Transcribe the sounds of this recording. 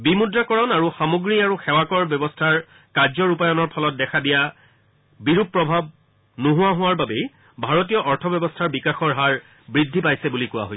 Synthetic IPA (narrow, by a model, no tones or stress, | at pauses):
bimudɹakɔɹɔnaɹuxamoɡɹiaɹuxɛwakɔɹbjɔbɔstʰaɹ | kaɹzɔɹupajɔnɔɹpʰɔlɔt̚dɛxʰadija | biɹupːɹɔbʱab̚ | noɦʊwaɦʊwaɹbabɛj | bʱaɹot̬ijɔʔɔɹtʰɔbjɔbɔstʰaɹbikaxɔɹɦaɹ | bɹidʱːipajsɛbulikʊwa̰ɦojs